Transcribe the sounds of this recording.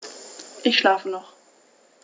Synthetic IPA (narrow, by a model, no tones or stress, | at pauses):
ʔɪçʃlaːfənɔχ